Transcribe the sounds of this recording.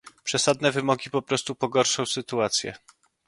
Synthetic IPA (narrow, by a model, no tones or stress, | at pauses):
pʂɛsad̪nɛvɘmɔɡʲipɔpɾɔst̪upɔɡɔɾʂɔ̃w̃sɘt̪uat̪sʲjɛ̰